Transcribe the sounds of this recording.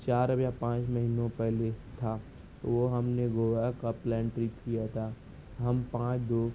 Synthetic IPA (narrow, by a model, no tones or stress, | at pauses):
t͡ʃaːɾəbjapãːt͡ʃməɦiːnõpɛɦlet̪ʰaː | ʋoɦɐmneɡoːʋakaplɛ̃ːɳʈɾiːt̪kijat̪ʰaː | ɦɐmpãːt͡ʃd̪oː